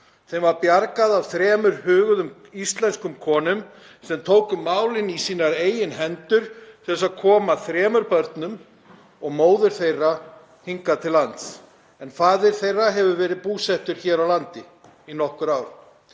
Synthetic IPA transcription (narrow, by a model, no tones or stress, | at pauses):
θejmvaɾpjaɾkaðavθɾɛːmʏɾhʏːɣʏðʏm | ist̪lɛnskʏmkʰɔːnʏm | sɛmt̪ʰoːwkʏmːaːwlɪnisiːnaɾeːjɪnɦɛnt̪ʏɾ̥θɛsaðkʰɔːmaθɾɛːmʏɾpœɾt̪nʏm | ɔɣmoːwðʏɾ̥θejrːa | hiŋkat̪ʰɪlːant̪s | ɛnfaːðɪɾ̥θejrːaɦɛvʏvɛːɾɪðpuːsɛht̪ʏɾ̥çɛːɾawlant̪ɪ | inɔhkʏɾaːwɾ